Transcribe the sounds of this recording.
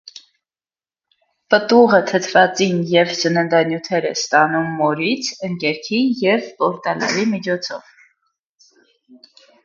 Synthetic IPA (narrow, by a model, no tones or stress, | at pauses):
pət̪uʁət̪ʰət̪ʰvɑt͡sinjɛvzənənd̪ɑnjut̪ʰɛɾɛ̰st̪ɑnumːɔɾit͡sʰəŋkɛɾkʰijɛvpɔɾt̪ɑlɛ̰ɾimit͡ʃʰɔt͡sʰɔ̰v̥